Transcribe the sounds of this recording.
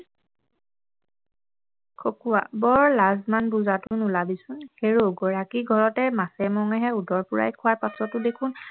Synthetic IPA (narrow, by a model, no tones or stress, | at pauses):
kʰokuwa̰bɔɹlazmanbuzatʊnulabisʊnxeɹoɡɔɹakiɡʱɔɹɔtɛmasɛmɔŋɛɦɛudɔɹpʊɹa̰jkʰʊwaɹpatʰɔtːʊdekʰʊn